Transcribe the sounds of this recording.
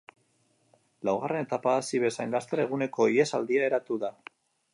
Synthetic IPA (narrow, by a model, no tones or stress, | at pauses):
lawɣ̞are̞ne̞t̪apaːsiβe̞sajnlast̪eɾe̞ɣ̞une̞ko̞ie̞sald̪iae̞ɾat̪uða